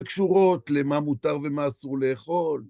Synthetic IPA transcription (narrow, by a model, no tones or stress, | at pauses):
kʃuʁo̞t̪lemamut̪aʁve̞maːsuʁle̞ːχo̞l